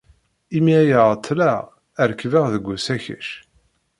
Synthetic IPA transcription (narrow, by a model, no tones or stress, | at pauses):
imiæjəʁt̪ʰˤːlæ | əɾkvəʁðəɡʷːusæçə̰ʃ